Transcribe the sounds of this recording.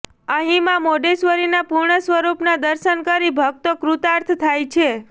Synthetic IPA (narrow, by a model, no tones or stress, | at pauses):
ə̃ɦĩmãmoɖesʋəɾinapuɾɳəsʋəɾupnad̪əɾʃənkəɾibʱəɡ̚t̪okɾut̪aɾt̪ʰt̪ʰajt͡ʃʰe